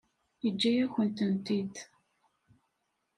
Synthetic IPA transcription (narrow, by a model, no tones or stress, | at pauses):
jəd͡ʒːæjæçənt̪ənt̪id̪